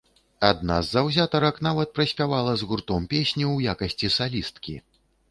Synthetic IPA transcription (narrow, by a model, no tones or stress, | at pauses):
ad̪na̰zːɐwzʲat̪ɐɾɐkn̪avɐt̪̚pɾɐsʲpʲavalˠɐzɣurt̪ɔmpʲesʲnʲiwjakɐsʲt͡sʲisalʲist̪kʲi